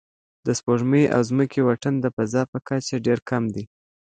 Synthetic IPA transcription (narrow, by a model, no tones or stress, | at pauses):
d̪̥əspoʒmeʔa̰wzməkʰewaʈənd̪əpazɑpəkat͡ʃaɖeɾkʰamd̪i